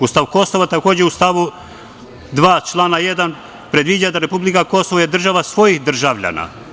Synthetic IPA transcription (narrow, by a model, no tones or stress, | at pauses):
ust̪aʋko̞so̞ʋat̪ako̞ːd͡ʑeust̪aʋu | d̪ʋaːt͡ʃlˠaːnaje̞d̪an | pɾe̞d̪ʋid͡ʑad̪aɾe̞publikako̞soʋojed̪r̩ʒaʋasʋo̞jixd̪r̩ʒaʋʎa̰na̰